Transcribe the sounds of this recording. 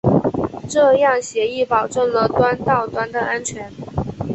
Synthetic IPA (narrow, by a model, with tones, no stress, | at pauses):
ʈ͡ʂɤ˥˧jɑ˥˩ŋɕjɛ˧˥i˥˩pɑ˨˩ʊʈ͡ʂɤ˥˩ŋlə˨t̪wa˥nt̪ɑ˥˩ʊt̪wa˥nd̪ə˨ʔa˥nt͡ɕʰɥɛ˧˥n